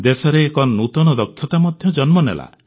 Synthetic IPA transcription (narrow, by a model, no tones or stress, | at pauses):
d̪esɔɾeːkɔnːut̪ɔnɔd̪ɔkʰːjɔt̪amɔd̪ʱjɔd͡ʒɔnmɔnḛla̰